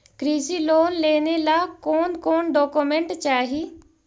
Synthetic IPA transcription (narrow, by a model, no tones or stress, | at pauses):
kɾiːsiːloːnleːneːlaːkoːnkoːnɖɔːkumẽɳʈt͡ʃaːɦiː